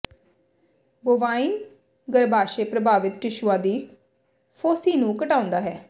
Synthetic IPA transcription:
boːʋaːiːn | ɡəɾbaːʃeːpɾəbʱaːʋɪt̪ɾɪʃuãːd̪iː | pʰoːsiːnũːkəʈãːʊ̃nd̪aːɦɛː

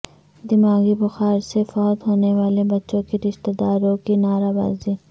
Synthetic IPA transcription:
d̪ɪmaːɡibʊxaːɾsefɔːd̪ɦoːneʋaːlebɐtːʃõkiɾɪʃt̪ed̪aːɾõkinaːɾaːba̰ːziː

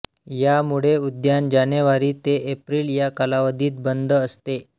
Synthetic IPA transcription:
jamuɽ̤eud̪jand͡ʑaneʋaɾiːt̪eʔepɾiːljakalaʋəd̪ʱiːt̪̚bənd̪ʱəəst̪e

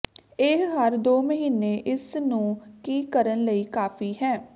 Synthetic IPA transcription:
ɪɦɦəɾd̪oːməɦiːneːʔɪsnũːkiːkəɾənləiːkaːfʰiːɦɛː

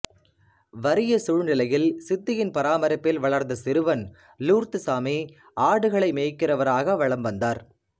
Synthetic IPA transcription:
ʋɐɾɪjɐsʊɻnɪlɐjɪlsɪt̪ːɪjɪnpɐɾaːmɐɾɐpːɪlʋɐɭɐɾnd̪ɐsɪɾɯʋɐn | luːɾt̪ɯsaːmiː | aːɽɯɣɐɭɐɪmeːkːɪrɐʋɐɾaːɣɐʋɐɭɐmʋɐnd̪aːɾ

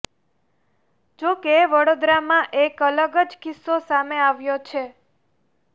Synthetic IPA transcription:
d͡ʒokeʋəɽod̪ɾamãʔekələɡəd͡ʒkɪsːosameaʋjot͡ʃʰe

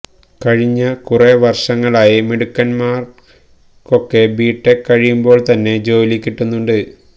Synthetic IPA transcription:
kɐɻiɲːɐkureʋɐrʂɐŋːɐɭaːjimiɽukːɐnmaːr | ko̞kːe̞biːʈːekɐɻijumbo̞ːɭt̪ɐnːe̞d͡ʑo̞ːlikʲːiʈːunːuɳɖɨ

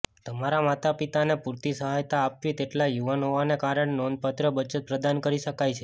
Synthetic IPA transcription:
t̪əmaɾamat̪apit̪anepuɾt̪isəɦajt̪aːpʋit̪eʈlajuʋanɦoʋanekaɾəɳenond̪̚pət̪ɾəbət͡ʃət̪̚pɾəd̪ankəɾiʃəkajt͡ʃʰe

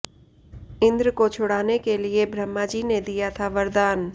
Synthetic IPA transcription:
ɪ̃nd̪ɾkot͡ʃʰʊɽaːnekeliebɾəmːad͡ʒiːned̪ijat̪ʰaʋəɾd̪aːn

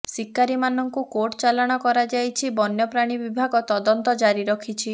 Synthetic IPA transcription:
sikːaɾimanɔŋkukoʈt͡ʃalɔɽ̃ɔkɔɾad͡ʒajt͡ʃʰibɔnjɔpɾaɽ̃ibibʱaɡɔt̪ɔd̪ɔnt̪ɔd͡ʒaɾiɾɔkʰit͡ʃʰi

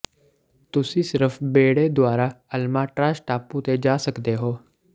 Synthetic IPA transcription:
t̪ʊsĩːsɪɾəfʰbeːɽeːd̪ʊaːɾaːəlmaːʈɾaːʃʈaːpuːt̪eːd͡ʒaːsəkd̪eːɦoː

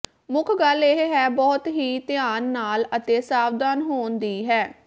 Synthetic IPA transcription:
mʊkʰɡəleɦɦɛːbɔːt̪ɦiːt̪ɪjaːnːaːlət̪eːsaːʋd̪aːnɦoːnd̪iːɦɛː

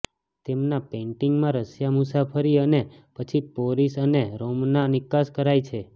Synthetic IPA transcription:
t̪emnapẽɳʈiŋɡmãɾəsjamusapʰəɾiənepət͡ʃʰipoɾisəneɾomnanɪkaskəɾajt͡ʃʰe

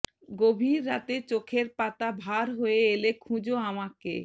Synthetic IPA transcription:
ɡobʱiɾːat̪et͡ɕokʰeɾpat̪abʱaɾɦoeelekʰũd͡ʑoamakḛ

